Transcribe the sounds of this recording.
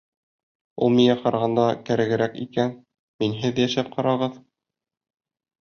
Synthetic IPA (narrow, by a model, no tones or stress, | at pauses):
ulˠmiŋæqɑɾɑʁɑnd̪ɑkæɾæ̆ɡɘ̆ɾækḭkæn | minɦɘðjæʃæp̚qʰɑɾɑʁɤð